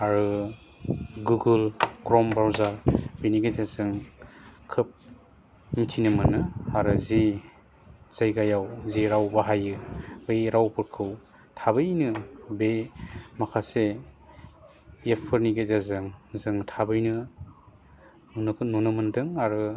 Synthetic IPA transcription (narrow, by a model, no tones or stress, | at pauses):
aɾɯ | ɡuɡulkɾɔmbawzaɾbeniɡezazɯŋ | kʰɯp̚ | mitʰinɯmɯnɯaɾɯzi | z̥ajɡajawziɾawbaɦajɯbɯjɾawpɯɾkʰɯw | tʰabɯjnɯbemakʰase | epʰɯɾniɡezazɯŋzɯŋtʰabɯjnɯ | nnunɯmɯndɯŋaɾɯ